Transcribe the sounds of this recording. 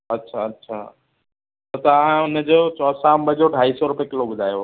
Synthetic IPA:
ɐtːɕʰaɐtːɕʰa̰ː | t̪ɐt̪ɐãʊnəd͡ʑoːt͡ɕɔːsambəd͡ʑoɖʱaːisɔɾʊpekɪloɓʊd̪ʱaːjo

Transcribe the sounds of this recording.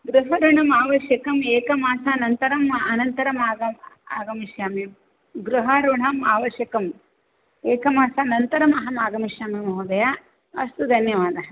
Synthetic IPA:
ɡɾuɦɐɾuɳ̤ɐmaːʋɐʃjɐkɐmeːkɐmaːsaːnɐnt̪ɐɾɐmɐnɐnt̪ɐɾɐmaːɡɐma̰ːɡɐmiʃjaːmim | ɡɾuɦɐɾuɳɐmaːʋɐʃjɐkɐm | eːkɐmaːsaːnɐnt̪ɐɾɐmɐɦɐmaːɡɐmiʃjaːmimɐɦud̪ɐja | ɐst̪ud̪ʱɐnjɐʋaːd̪ɐɦɐ

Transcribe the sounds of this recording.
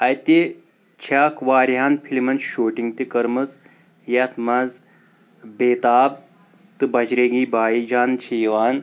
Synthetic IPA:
ɐjt̪e | t͡ʃʰaːkʋaːɾɦaːnpʰilimɐnʃoːʈiŋɡt̪ikɐɾmɐt͡s | jaːt̪ʰmaz | beːt̪aːb̚ | t̪ɨbɐd͡ʒɾeɡiːbaːjid͡ʒaːnt͡ʃʰiʋaːn

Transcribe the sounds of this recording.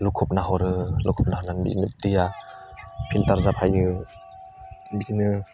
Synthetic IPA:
lukʰɔp̚naɦɔɾɯlukʰɔp̚naɦɔnanbḭnɯdɯja | pʰiltaɾzapʰajɯ | bitinɯ

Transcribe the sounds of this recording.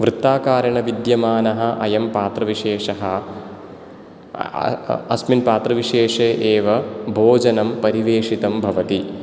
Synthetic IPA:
ʋɾɨt̪ːaːkaːɾjɐɳɐʋid̪jɐmaːnɐɦɐ̆ʔɐjɐmpaːt̪ɾɐʋiʂeːʂɐɦɐ̆ | ɐsminpaːt̪ɾɐʋiʂeːʂeːʔeːʋɐbʱoːd͡ʒɐnɐmpɐɾiʋeːʂit̪ɐmbʱɐʋɐt̪i

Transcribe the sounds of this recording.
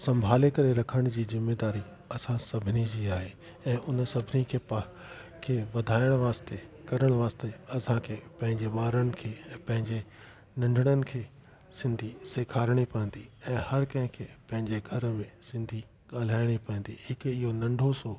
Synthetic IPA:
sɐ̃mbʱaːlekɐɾeɾɐkʰəɽ̃d͡ʑiːzɪmːeːd̪aːɾi | ɐsãsɐbʱɪnid͡ʑiːaːɦeː | ɛ̃ːʔʊnsɐbʱɪnikʰeːp | kʰeːʋɐd̪ʱaːɪɽ̃ʋaːst̪ekɐɾəɽ̃ʋaːst̪eɐsãkʰeːpɐ̃ɦɪ̃ɲd͡ʑeɓaːɾənɪ̆kʰeːpɐ̃ɦɪ̃ɲd͡ʑe | nɐ̃ɳɖʱəɽ̃ənɪ̆kʰeː | sɪ̃nd̪ʱiseːkʰaːɾɽ̃ipɐɪ̃n̆d̪iɛ̃ːhɐɾkɐ̃ɦɪ̃kʰeːpɐ̃ɦɪ̃ɲd͡ʑeɡʱɐɾmẽsɪ̃nd̪ʱi | ɠaːl̤aːɪɽ̃ipɐə̃nd̪ihɪkɪɦonɐ̃ɳɖʱoso

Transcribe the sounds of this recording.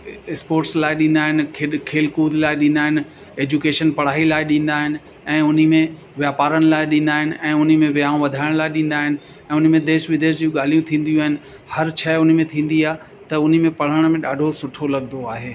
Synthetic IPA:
ɪspoːɾʈslaːɪɗĩːnd̪aːɦɪnɪ̆kʰkʰeːlkuːd̪laːɪɗĩnd̪aːɦɪnɪ̆ | eːd͡ʑukeːʃənpɐɽ̤aːɦilaːɪɗĩːnd̪aːɦɪnɪ̆ | ɛ̃ːʊn̤imẽ | ʋjaːpaːɾəñɪ̆laːɪɗĩːnd̪aːɦɪnɪ̆ʔɛ̃ːʊn̤ĭmẽʋjaːũʋɐd̪ʱaːɪɽ̃laːɪɗĩːn̆d̪aːɦɪnɪ̆ | ɛ̃ːʊn̤̆mẽd̪eːʃʋɪd̪eːʃd͡ʑũːɠaːl̤ijũt̪ʰĩːn̆d̪ijũaːɦɪnɪ̆ | hɐɾt͡ɕʰɐʊn̤mẽt̪ʰĩːn̆d̪iaːɦ | t̪ɐʊn̤ĭmẽpɐɽ̤əɽ̃mẽɗaːɖʱosʊʈʰolɐɠnoaːɦeː

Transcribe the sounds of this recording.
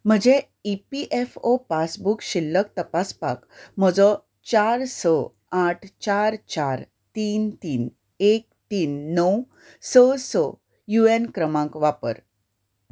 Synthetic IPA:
m̤əd͡ʑe | ipiʔefopasbukɕilːək̚t̪əpaspa̰km̤əd͡zɔ | t͡ɕaɾsə | aʈʰt͡ɕaɾt͡ɕaɾ | t̪iːnt̪iːn | ek̚t̪iːnːəw | səsə | juenkɾəmãkʋapə̰ɾ

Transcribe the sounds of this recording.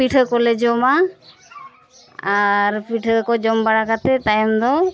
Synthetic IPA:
piʈʰəkɔled͡ʒɔma | aɾpiʈʰəkɔd͡ʒɔmbaɽakat̪ɛt̪ajmd̪ɔ

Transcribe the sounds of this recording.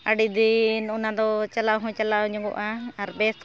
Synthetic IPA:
aɖid̪inunad̪ɔt͡ʃalawɦɔ̃t͡ʃalawɲɔŋɡɔ̰ʔaːɾbɛst̪

